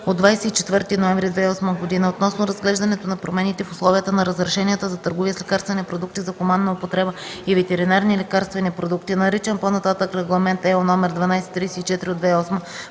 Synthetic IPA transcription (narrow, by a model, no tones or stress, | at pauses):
od̪vajsɛit͡ʃɛt̪vɤɾt̪inoɛmvɾid̪vɛɔsməɡod̪inəot̪nɔsnoɾɐzɡlɛʒd̪ɐnɛt̪onɐpɾomɛnit̪ɛfʊslˠɔvijət̪ənɐɾɐzɾɛʃɛniət̪əzɐt̪ɤɾɡoviəslʲɛkaɾst̪vɛnipɾod̪uk̚t̪izɐkomanːɐopot̪ɾɛbəivɛt̪ɛɾinaɾnilɛkaɾst̪vɛnipɾod̪ukt̪inɐɾit͡ʃɛnponɐt̪at̪əkɾɛɡlˠɐmɛnt̪ɛonɔmɛɾd̪vɐnajsɛ̥t̪ɾiːsɛit͡ʃɛt̪iɾiod̪vɛɔsmə